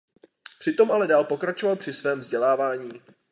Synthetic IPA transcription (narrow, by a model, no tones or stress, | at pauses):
pr̝̥ɪt̪o̞mʔalɛdaːlpo̞kɾat͡ʃo̞valpr̥ɪsvɛːmvzɟɛlaːvaːɲiː